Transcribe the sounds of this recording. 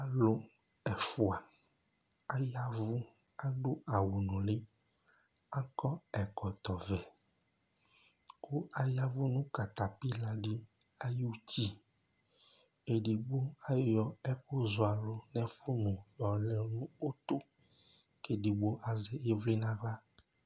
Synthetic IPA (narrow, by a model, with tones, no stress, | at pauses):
a˦lo˦ | ɛ˨fu˨a˨ | a˦ja˦vu˦ | a˦ɖo˦ʔa˨wu˨nũ˨le˦ | a˦kɔ˦ɛ˨kɔ˨t̪ɔ˨vɛ˨ | ku˦a˦ja˦vu˦nũ˦ka˨t̪a˨pi˦la˦ɖi˦a˦ju˦t̪i˦ | e˨ɖi˨ɡ͡bo˦a˦jɔ˨ɛ˦ko˦zo˨a˨lo˦nɛ̃˦fu˦nũ˨jɔ˨lɛ˨nũ˦o˦t̪o˦ | ke˨ɖi˨ɡ͡bo˦ʔa˨zɛ˨e˦vli˦nã˦va˦